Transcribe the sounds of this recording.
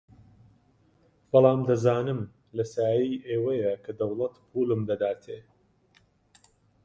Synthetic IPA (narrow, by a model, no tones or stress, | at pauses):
b̥ɑlˠɑːmd̪ɐzaːnɨm | lɐsaːjijʔeːwɐjɐkʰɐd̪ɐwlˠɐt̪pʰulɨmd̪ɐd̪aːt̪ʰeː